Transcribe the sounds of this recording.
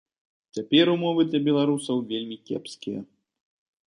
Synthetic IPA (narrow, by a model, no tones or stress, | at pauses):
t͡sʲapʲɛɾumɔvɨd̪lʲɐbʲɛlˠaɾusɐwvʲelʲmʲikʲɛ̰pskʲijɐ̰